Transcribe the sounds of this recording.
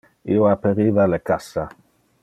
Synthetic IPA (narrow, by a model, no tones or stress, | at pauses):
ḭoapeɾiːvalekasːa